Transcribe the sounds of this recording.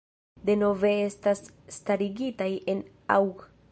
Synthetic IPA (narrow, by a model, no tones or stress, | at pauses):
d̪e̞no̞ve̞estasːtaɾiɡitajen | a̰w